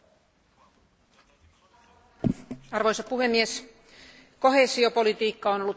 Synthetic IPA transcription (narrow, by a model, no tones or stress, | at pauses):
ɑrʋojsɑpuhe̞mːies | ko̞ɦe̞ːsiopo̞lit̪iːkːɑono̞lːut̪